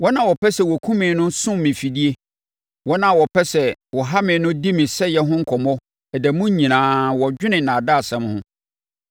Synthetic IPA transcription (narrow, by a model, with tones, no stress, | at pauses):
wɔ˦nã˨wɔ˨pʰɛ˦sɛ˨wɔ˨kʰũ˦mɪ̃˨˦nʊ̃˦sʊ̃˦m˨mɪ̃˨fi˨di˦e˦ | wɔ˦nã˨wɔ˨pʰɛ˦sɛ˨wɔ˨ɦa˦mɪ̃˨nʊ̃˦di˦mɪ̃˨sɛ˦jɛ˦ɦʊ̃˦ŋ̩˦kʰɔ˨mɔ˦ | ɛ˨dæ˨mʊ̃˦ɲĩ˨nãː˨wɔ˨d͡ʑᶣɪ˦nɪ̃˨nãː˨da˦˨sɛ̃˦mhʊ̃˦